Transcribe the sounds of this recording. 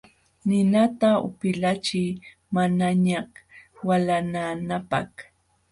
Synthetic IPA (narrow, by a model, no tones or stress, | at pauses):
nɪnat̪aʊ̰pɪlat͡ʃɪj | manaɲahwalananapa̰h